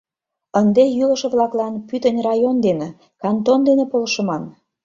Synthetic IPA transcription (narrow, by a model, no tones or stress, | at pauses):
ənd̪ejylə̆ʃĕβlɑklɑnpyt̪ənʲrɑjond̪enĕ | kɑnt̪ond̪enĕpolʃə̆mɑn